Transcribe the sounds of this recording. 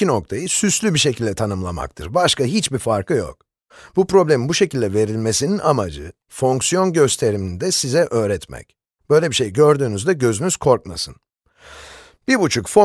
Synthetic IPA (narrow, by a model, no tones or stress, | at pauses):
ino̞k̚t̪ʰajɯsyslʲybiʃe̞cʰilʲd̪ɛt̪ʰanɯmlˠama̰k̚t̪ʰɯɾbaʃkaɦit͡ʃbifaɾkʰɯjo̞̰k̚ | bupɾo̞blʲemimbuʃe̞cʰilʲd̪ɛve̞ɾilʲme̞sininʔamad͡ʒɯ | fo̞ŋksijo̞nɟø̞st̪ʰe̞ɾimind̪ɛsizɛʔøːɾɛt̪mɛ̰c | b̥ø̞jlʲebiʃe̞jɟø̞ɾd̪yːnyzd̪ɛɟø̞zynyz̥kʰo̞ɾk̚masɯn | b̥iɾbut͡ʃʰukfo